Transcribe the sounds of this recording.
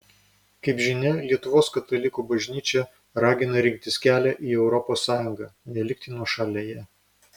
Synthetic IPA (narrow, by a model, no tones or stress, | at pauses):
kɐɪpʒʲɪnʲɛlʲiɛt̪ʊʋoːskɐt̪ɐlʲɪkuːbɐʒʲnʲiːt͡ʃʲɛ | ɾɑːɡʲɪnɐɾʲɪŋk̚t̪ʲɪsʲkʲæːlʲɛʔiːɛʊɾɔpoːsːɑːjʊŋɡɑːnʲɛlʲɪkt̪ʲiːnɔʃɑlʲɛjɛ